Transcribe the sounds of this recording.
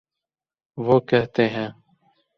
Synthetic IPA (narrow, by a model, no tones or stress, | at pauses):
ʋoːkɛɦt̪eːɦɛ̃ː